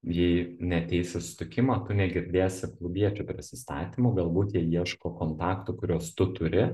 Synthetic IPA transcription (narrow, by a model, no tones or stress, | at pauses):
jɛɪnʲɛɐt̪ʲɛɪsʲɪsʊ̥t̪ʲɪkʲɪmɐːt̪ʊnʲɛɡʲɪɾʲd̪ʲeːsʲɪklˠʊbʲiɛt͡ʃʲʊpʲɾʲɪsʲɪst̪ɑ̰ːt̪ʲimʊɡɐlˠbuːt̪jiɛiɛʃkoːkoːnt̪ɑːkt̪ʊkʊɾʲoːst̪ʊt̪ʊɾʲɪ